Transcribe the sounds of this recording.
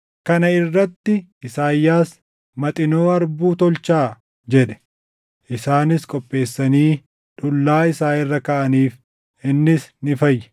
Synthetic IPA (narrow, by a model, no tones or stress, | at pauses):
kɐnɐɪrːɐt̪ːɪɪsaːjːaːs | mɐt̪ʼɪnoːɐɾbuːt̪ɔlt͡ʃaː | d͡ʒɛᶑɛ̥ | ʔɪsaːnɪskʼɔpʼːe̞ːsːɐniː | ᶑʊlːaːɪsaːɪrːɐkɐʔɐniːf | ɪnːɪsnɪfɐjːɛ̥